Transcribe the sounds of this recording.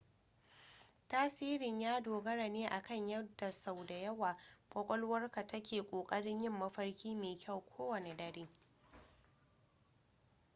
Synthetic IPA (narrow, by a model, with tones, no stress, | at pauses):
taː˦siː˦ɾɪ˨ɲjaː˦doː˨ɡɐ˦ɽa˨neː˦ʔa˨kɐ˦˨ɲjɐ˦da˨sa˨wda˨jɐ˦waː˨ɸɐ˦kʷʼɔ˦lwɐ˦rka˨tɐ˦kʲʰeː˨kʷʼoː˨kʼɐ˦ɽɪ˦ɲjɪ˦˨mːɐ˦ɸɐ˦rkʲiː˦meː˨kʲɐ˦˨wkʷʰoː˦wɐ˨ne˨dɐ˨ɽeː˦